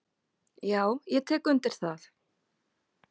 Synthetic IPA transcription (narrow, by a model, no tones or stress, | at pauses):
jaːwjɛt̪ʰɛːkʏnt̪ɪɾ̥θaθ